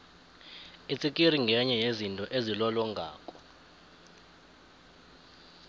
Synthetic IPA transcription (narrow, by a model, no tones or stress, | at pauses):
it͡sʼik̬ʼiriŋɡʱɛɲɛjezintʼɔʔezilɔlɔŋʱa̰ːkʼɔ̥